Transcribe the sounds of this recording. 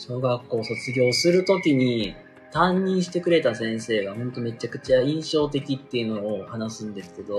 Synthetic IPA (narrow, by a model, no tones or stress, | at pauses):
ɕo̞ːɡakːo̞ːso̞t͡sɨɡʲo̞ːsɨɾɯ̟t̪o̞kʲiɲ̟i | t̪ãɲɲĩɰ̃ɕi̥t̪e̞kɯ̟ɾe̞t̪asẽ̞ɰ̃se̞ːɡahõ̞nt̪o̞me̞t͡ɕakɯ̟̥t͡ɕaĩɰ̃ɕo̞ːt̪̬e̞kʲit̪ːe̞iɯ̟no̞ːhanasɨ̃nd̪e̞sɨ̥ke̞d̪o̞